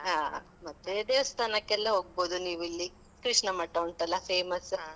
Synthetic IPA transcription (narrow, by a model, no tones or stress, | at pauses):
ɦaː | mɐt̪ːeːd̪eːʋɐst̪ʰaːnɐkːɛlːɐɦoːɡ̚boːd̪uniːʋilːi | kɾiʂɳɐmɐʈːɐuɳʈɐlːɐpʰeːmɐs